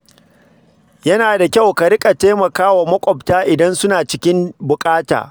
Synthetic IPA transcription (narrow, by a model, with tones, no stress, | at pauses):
jɐ˦naː˨da˨kʲa˦˨wka˨ɾɪ˦kʼa˨teː˦mɐ˨kaː˦wa˨mɐ˦kʷʼɔ˨ptaː˦ʔɪ˨dɐ˦nsʊ˦naː˨t͡ʃɪ˦kʲɪ˦mbʊ˨kʼaː˦ta̰ː˨